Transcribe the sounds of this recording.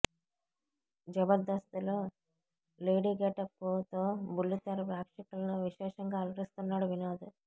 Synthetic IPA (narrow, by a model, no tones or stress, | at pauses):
d͡ʒɐbɐɾd̪ɐst̪ɐloː | leːɖiːɡɛʈɐpːut̪oːbulːit̪ɐɾɐpɾaːkʂikɐlɐnuʋiʃɛːʂɐŋɡaːlɐɾist̪unːaːɽuʋinaːd̪u